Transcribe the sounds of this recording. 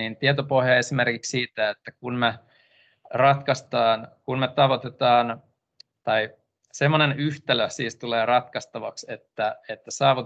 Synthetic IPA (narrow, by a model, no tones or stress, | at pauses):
iːnt̪iet̪opohjɑesimerkikssiːt̪æet̪ːækunme | rɑt̪kɑst̪ɑːnkunmet̪ɑʋot̪et̪ɑːn | t̪ɑi | semːonenyht̪æløsiːst̪uleːrɑt̪kɑst̪ɑʋɑ̰kset̪ːæet̪ːæsɑːʋut̪